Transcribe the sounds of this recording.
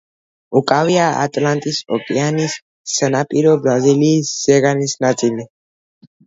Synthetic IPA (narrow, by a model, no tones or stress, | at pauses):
ukʼaviaa̰t̪ʼlant̪ʼisɔkʼɛanisː | ənapʼiɾɔbɾaziliːsːɛɣanisnasʼili